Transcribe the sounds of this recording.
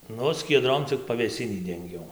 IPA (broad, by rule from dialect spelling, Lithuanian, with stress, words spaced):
ˈnʊ sʲkʲiɛˈdroːm t͡sʲɪk pɐʋʲeːˈsʲɪnʲiː dʲɛŋʲˈɡʲɛʊ